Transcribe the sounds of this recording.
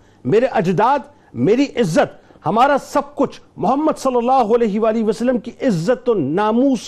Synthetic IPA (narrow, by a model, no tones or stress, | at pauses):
meːɾeʔɐd͡ʒd̪aːd̪ | meːɾiʔɪzːət̪ | hɐmaːɾasɐb̚kʊt͡ʃʰmʊɦəmːəd̪sɐlːɐlːaːɦoɐlɛːɦiʋaːliʋɐsəlːəmkiʔɪzːət̪onaːmuːs